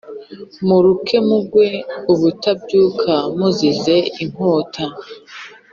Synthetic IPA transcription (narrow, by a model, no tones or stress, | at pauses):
muɾukʰe̞muɡwe̞uβutab̚ɟuːkʰamuzize̞iŋ̥oːtʰa